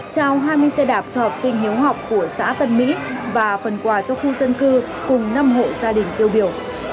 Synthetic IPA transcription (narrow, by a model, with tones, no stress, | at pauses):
t͡ɕaː˧wɦaː˧jmɨ˧əjsɛ˧ɗaː˨˩p̚t͡ɕɔ˧hɔ˨˩p̚sï˧ŋ̟ɦi˨˦əwɦa˨˩wk͡p̚ku˧˩əsa̰ː˧˥t̪ə˨˩nmḭ˧˥vaː˨˩fə˨˩nkwaː˨˩t͡ɕɔ˧xu˧zə˧nkɨ˧ | kʊ˨˩ŋ͡mna˧mɦo̰˧˨zaː˧ɗï˨˩ŋ̟t̪i˧əwɓi˧˩əw